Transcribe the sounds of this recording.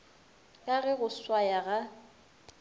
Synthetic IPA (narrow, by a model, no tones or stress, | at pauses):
kʼaɣɛɣʊswajaɣa